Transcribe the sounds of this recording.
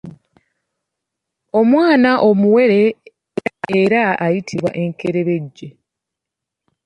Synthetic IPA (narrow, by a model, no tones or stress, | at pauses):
o̞mwaːnaʔo̞muwe̞ɾe̞ | eɾaajitʰiβwa̰ʔe̞ŋkeɾe̞βe̞ɟːe